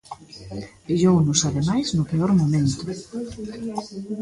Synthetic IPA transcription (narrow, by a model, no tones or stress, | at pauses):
eʎownʊsaðemajznʊpeɔɾmomẽnt̪ʊ